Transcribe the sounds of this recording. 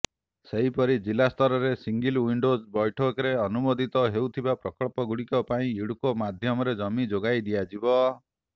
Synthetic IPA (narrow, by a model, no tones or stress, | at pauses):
seɦipɔɾid͡ʒilast̪ʰɔɾɔɾesiŋɡilwiɳɖozbɔjʈʰɔkɾeɔnumod̪ʱit̪ɔɦewt̪ʰibapɾɔkɔɭpɔɡuɽikɔpaĩiɽukɔmad̪ʱjɔmɔɾed͡ʒɔmid͡ʒoɡajd̪ijad͡ʒibɔ